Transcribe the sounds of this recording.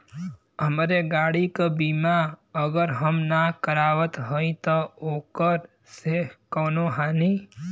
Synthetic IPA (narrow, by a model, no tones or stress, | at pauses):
ɦəmɾeɡaːɽikabiːmaəɡəɾɦəmnakəɾaːʋət̪ɦoĩt̪ɔoːkəɾ | sekɔːnoɦaːni